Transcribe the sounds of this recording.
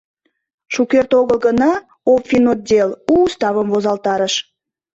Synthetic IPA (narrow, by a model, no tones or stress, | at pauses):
ʃukert̪oɣəlɣənɑ | opfʲinot̪̚d̪ʲeluːst̪ɑβəmvozɑlt̪ɑɾəʃ